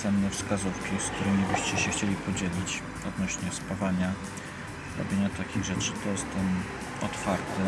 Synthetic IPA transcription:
ɛmnɛfskazufkʲisk̚t̪uɾɘmʲibɘɕt͡ɕɛɕɛxt͡ɕelʲipɔd͡ʑelʲit͡ɕ | ɔd̪nɔɕɲɛspavaɲa | ɾɔ̰bʲjeɲat̪akʲiɣʐɛt͡ʂɘt̪ɔjɛst̪ɛm | ɔt̪faɾt̪ɛ

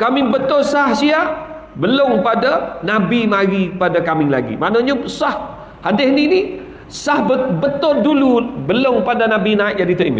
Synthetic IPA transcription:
kamɪŋbət̪ʊrsahsiaʔ | bəlʊŋpadanabimaɾipadakamɪŋla̰ɡḭmanaɲasah | hadɪhnini | sahbəbət̪ʊrdulubəloŋpadanabinaɪt̪̚d͡ʒadit̪əʔḭmɪ̰

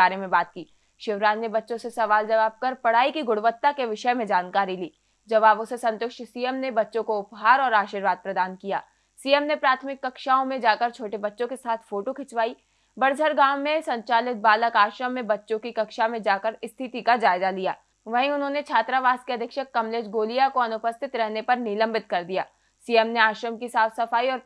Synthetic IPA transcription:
aːɾemẽbaːt̪̚kiː | ʃɪʋɾaːd͡ʒnebɐtːʃõsesɐʋaːld͡ʒɐʋaːb̚kɐɾpɐɽ̤aːikiɡʊɽʋət̪ːakeʋɪʃəmẽd͡ʒaːnkaːɾiliː | d͡ʒɐʋaːbõsesɐ̃nt̪ʊkʃsijəmnebɐtːʃõkoʊpɦaːɾɔːɾaːʃiːɾʋaːd̪̚pɾɐd̪aːnkija̰ː | siːjəmnepɾaːt̪ʰmɪkːɐkʃaːõmẽd͡ʒaːkəɾt͡ʃʰoːʈebɐtːʃõkesaːt̪ʰfoːʈokʰɪt͡ʃʋaːi | bɐɾd͡ʒʱəɾɡãːwmːẽsɐ̃ɲt͡ʃaːlɪt̪̚baːləkaːʃɾəmːẽbɐtːʃõkikɐkʃamẽd͡ʒaːkəɾɪst̪ʰɪt̪ikad͡ʒaːɪzalija̰ː | ʋɐɦĩʊnɦõːnet͡ʃʰaːt̪ɾaʋaːskeɐd̪ʱɪkʃəkːɐmleːd͡ʒɡoːlijakoɐnʊpəst̪ʰɪt̪ɾɛɦnepɐɾnɪlə̃mbɪt̪kɐɾd̪ijaː | sijəmneaːʃɾəmkisaːfsɐfaːiɔːɾ

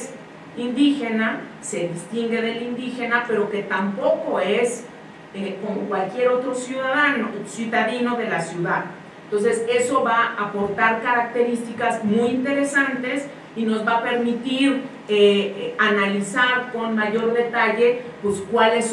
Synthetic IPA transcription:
s | ind̪ixe̞na | se̞ðist̪iŋɡe̞ðe̞lind̪ixe̞nape̞ɾo̞ke̞t̪ampo̞ko̞e̞s | eko̞mokwalkje̞ɾo̞t̪ɾo̞sjuðaðanosjuðaðino̞ðe̞lasjuðað | nt̪o̞nse̞se̞so̞βaːpo̞ɾt̪aɾkaɾak̚t̪e̞ɾist̪ikazmujint̪e̞ɾe̞sant̪e̞s | ino̞zβape̞ɾmit̪iɾ | eanalisaɾko̞nmaʝo̞ɾðe̞t̪aʝe̞pweskwales

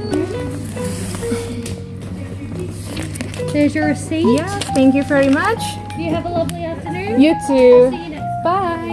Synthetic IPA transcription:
ɪzjə˞ɹɨsijæθæ̃ŋk̬jɨvɛɹimʌt͡ʃ | d̥ɨjɨːvəlʌvliæftə˞nʉ̃njɨtʰʉ | b̥aɪ

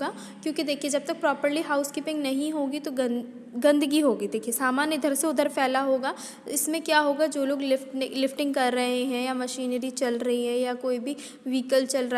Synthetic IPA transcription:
aː | kjõːkid̪eːkʰied͡ʒɐb̚t̪ɐk̚pɾɔːpəɾliɦaːʊskiːpɪ̃ŋɡnɐɦĩɦoːɡit̪oɡɐ | ɡɐ̃nd̪əɡiɦoːɡid̪eːkʰiesaːmaːnjəd̪ʱɐɾseʊd̪ʱəɾpʰɛːlaɦoːɡaː | ɪsmẽkjaːɦoːɡad͡ʒoːloːɡlɪfʈnlɪfʈɪ̃ŋɡ̚kɐɾːɐɦeɦɛ̃jamɐʃiːnəɾit͡ʃɐlɾɐɦiɦɛ̃jakoːibʱi | ʋiːkəlt͡ʃɐlɾ

